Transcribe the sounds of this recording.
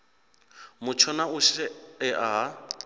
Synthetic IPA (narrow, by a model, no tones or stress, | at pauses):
mʊt͡ʃʰɔnaʊʃɛɛʔa